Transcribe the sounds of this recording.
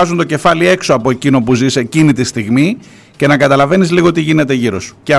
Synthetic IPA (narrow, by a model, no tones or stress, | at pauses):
ɐzunt̪o̞ce̞fɐlie̞kso̞ɐpo̞e̞cino̞puzise̞cinit̪ist̪iɣmi | ce̞nɐkɐt̪ɐlɐve̞nizliɣo̞t̪iʝine̞t̪e̞ʝiɾo̞su̥ce